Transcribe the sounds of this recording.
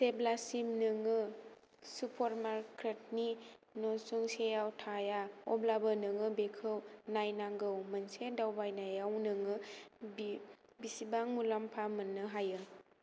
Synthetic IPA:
seblasimnɯŋɯ | supʰɔɾmaɾkʰɾet̚ninɔsuŋsejawtʰajaɔblabɯnɯŋɯbekʰɯwnajnaŋɡɯwmənsedawbajnajawnɯŋɯb | bisibaŋmulampʰamɯnːɯɦajɯ

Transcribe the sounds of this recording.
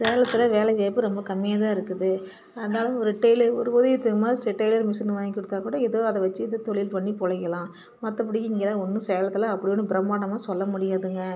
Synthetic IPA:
sɛːlɐt̪ːɯlɐʋeːlɐʋeːpːɯɾɔmbɐkɐmːɪjaːðaːɪɾɯkːɯðɯ | ɐðɐnaːlɐ̃ɔɾɯʈɐɪlɐɾɔɾɯʋoðɐjt̪ːɯɐmaːisɛʈːɐɪlɐɾmɪsɐnɯʋaːjkːɪɽɯt̪ːaːkuːɽɐɪðoɐðɐʋɐt͡ʃːɯɪðɐt̪ɔɭɪlpɐɳːipɔɭɐjɐlãː | mɐt̪ːɐpːɐɽɪjɯɪŋɡeːlaːɔnːɯsɛːlɐt̪ːɪlɐɐpːɐɽɪjonːɯbɪɾɐmːaːɽɐmaːsɔlːɐmʊɽɪjaːðɯŋɡɐ

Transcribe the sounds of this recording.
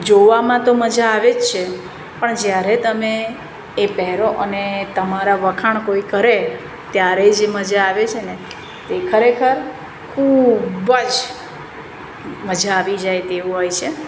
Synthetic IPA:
d͡ʒoʋamãt̪oməd͡ʒaːʋed͡ʒt͡ʃʰe | pəɳd͡ʒjaɾet̪əmeː | pɛɦɾoʔənet̪əmaɾaʋəkʰaɳkoikəɾe | t̪jaɾed͡ʒeməd͡ʒaːʋet͡ʃʰene | t̪ekʰəɾekʰəɾ | kʰubəd͡ʒ | məd͡ʒaːʋid͡ʒajt̪eʋũɦojt͡ʃʰe

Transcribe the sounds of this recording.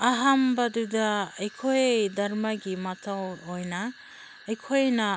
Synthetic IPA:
aɦambadudaejkʰojedaɾmaɡimatʰawɔjna | ejkʰojna

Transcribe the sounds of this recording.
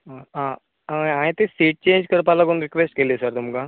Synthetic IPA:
ɦãː | aːẽːt̪esiːʈ̚t͡ʃẽːnd͡ʒkəɾpaːlakʊnɾɪkʋeːsʈkeːliesəɾt̪ʊmɡãː

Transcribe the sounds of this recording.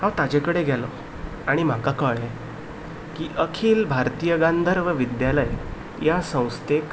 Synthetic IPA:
hãwt̪ad͡ʑekəɽeɡʱjalɔ̰ | aɽ̃im̤akakəɭe | kiʔəkʰiːlbʱaɾt̪ijəɡand̪ʱəɾʋəʋid̪jaləj | jasə̃w̃st̪ek

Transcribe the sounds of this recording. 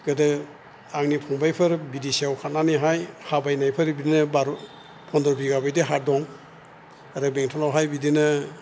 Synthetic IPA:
ɡɯdɯ | aŋnipʰɔŋbajpʰɯɾbidisiawkʰat̚naniɦajhabajnajpʰɯɾbidinɯbaɾ | pʰɔndɔɾbiɡabajdeɦaɾ̚dɔŋ | aɾɯbɛŋtʰɔlawɦajbidinɯ

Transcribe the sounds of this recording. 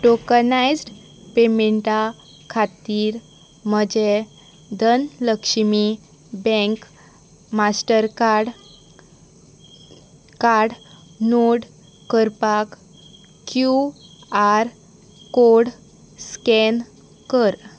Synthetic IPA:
ʈokənajd͡zɖ | pemeɳʈa | kʰat̪iːɾ | məd͡ʑe | d̪ʱənləkʂmi | bɛ̃ŋk | masʈəɾkaɽ | kaɾɽnoɽ | kəɾpak | kjuaɾ | koɽ | skɛn | kəɾ

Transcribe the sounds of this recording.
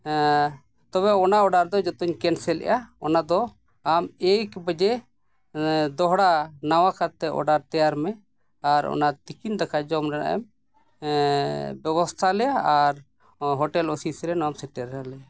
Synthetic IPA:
t̪ɔβɛɔnaɔɖaɾd̪ɔd͡ʒɔt̪ɔɲkɛnsɛlɛ̰ʔaɔnad̪ɔ | amejkbəd͡ʒɛ | d̪ɔɦɽanawakat̪ɛʔɔ̰ɖaɾt̪ɛjaɾmɛ | aɾɔ̰nat̪ikind̪akad͡ʒɔmɾɛna̰ʔɛ̰m | bɛbɔst̪ʰalɛjaaɾ | ɦɔʈɛlɔsisɾɛnɔamsɛʈɛɾɛalɛa

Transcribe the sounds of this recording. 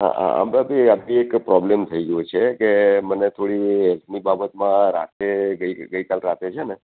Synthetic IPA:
ɦa̰a̰ə̰bəbiabiekpɾɔblemt̪ʰəiɡəjut͡ʃʰekemənet̪ʰoɽiɦɛlt̪ʰnibabət̪mãɾa̰t̪eɡəiɡəikalɾat̪et͡ʃʰene

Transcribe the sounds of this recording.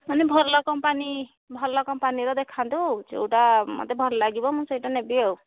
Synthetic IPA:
manɛbʱɔɾlɔkɔmpani | bʱɔɾlɔkɔmpaniɾɔd̪ekʰant̪ud͡ʒḛwʈamɔ̰t̪ebʱɔɾlaɡibɔmũsɔjʈanebiaw

